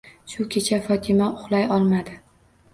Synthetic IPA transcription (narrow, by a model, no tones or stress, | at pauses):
ʃʊkʲʰet͡ʃʰafɒt̪ʰɪmaʊχlˠajɒlˠmad̪ɪ